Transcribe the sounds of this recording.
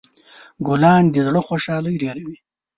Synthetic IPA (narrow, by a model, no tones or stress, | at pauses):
ɡʊlɑːnd̪izɽəxoʃɑːləjɾeɾawi